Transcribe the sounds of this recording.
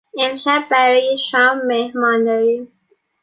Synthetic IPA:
emʃæbbæɾɒːjeʃɒːmːehmɒːnd̪ɒɾim

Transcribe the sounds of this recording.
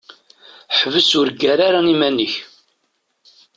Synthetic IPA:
ħvəsʊɾɡæɾaɾanimænːəç

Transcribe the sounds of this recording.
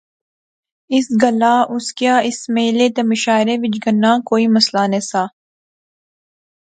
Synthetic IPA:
ɪsɡəlaːʔʊskjaːɪsmeːleːt̪emɪʃaːɪɾeʋɪt͡ʃɡənːãːkoːiːməslaːnesaː

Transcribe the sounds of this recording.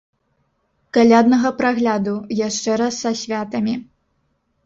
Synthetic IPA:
kalʲad̪nɐɣɐpɾaɣlʲad̪ujaʂt͡ʂɛɾɐsːɐsʲvʲat̪ɐmʲi

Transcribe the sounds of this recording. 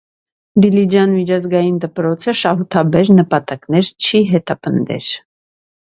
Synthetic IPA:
d̪ilid͡ʒɑnmit͡ʃʰɑzɡɑjind̪əpɾɔt͡sʰəʃɑɦut̪ʰɑbɛɾnəpɑt̪ɑknɛɾt͡ʃʰiɦɛt̪ɑpənd̪ɛ̰ɾ

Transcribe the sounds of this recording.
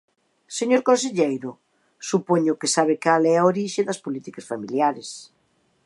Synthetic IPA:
seɲoɾkõnseʎejɾʊ | supoɲʊkɪsaβ̞ɪkalɛaoɾiʃɪðɐspolit̪ikɐsfamiljaɾes

